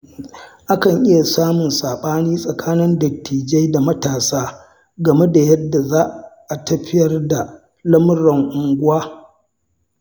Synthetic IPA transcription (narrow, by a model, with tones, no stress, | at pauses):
ʔa˦kɐ˨ŋʔɪ˦ja˨saː˦mʊ˨nsaː˨ɓaː˦niː˦sʼɐ˨kʰaː˦nɪ˦ndɐ˨k̚tʰiː˨d͡ʒe˦jda˨mɐ˦taː˨saː˦ | ɡɐ˨me˦da˨jɐ˦dːa˨zaː˦ʔʔa˨tɐ˦ɸɪ˦jɐ˨rda˨ | lɐ˦m˦ɾɐ˨ŋʔʊ˨ŋɡʷʊ˦waː˦